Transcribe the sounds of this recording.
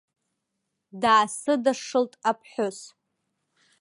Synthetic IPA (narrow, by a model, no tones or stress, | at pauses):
daːsɨdaʂɨltʼapʰħʷʊs